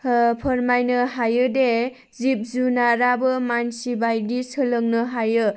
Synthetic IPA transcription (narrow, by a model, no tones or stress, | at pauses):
pʰəɾmajnɯɦajɯde | zip̚zunaɾabɯmansibajdisɯlɯŋnɯɦajɯ